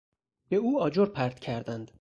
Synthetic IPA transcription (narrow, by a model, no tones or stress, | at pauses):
beuːɒːd͡ʒoɾpʰæɾd̪̥cʰæɾd̪ænd̪̥